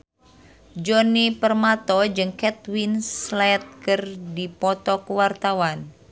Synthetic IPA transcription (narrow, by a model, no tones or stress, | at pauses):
d͡ʒɔnipərmat̪ɔd͡ʒɨŋkɛt̪winslɛt̪̚kɨrdipɔt̪ɔkuwart̪awan